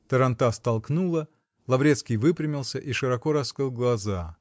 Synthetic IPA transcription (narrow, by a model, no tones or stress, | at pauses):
t̪əɾɐnt̪ast̪ɐlˠknulˠə | lˠɐvɾʲet̪skʲɪjvɨpɾʲɪmʲɪlˠsʲəʔiʂɨɾɐko̞ɾɐskɾɨlˠɡlˠɐza